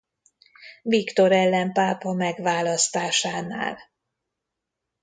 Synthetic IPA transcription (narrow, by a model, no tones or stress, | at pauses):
vikt̪o̞ɾɛlːɛmpaːpɒmɛɡʋaːlɒst̪aːʃaːna̰ːl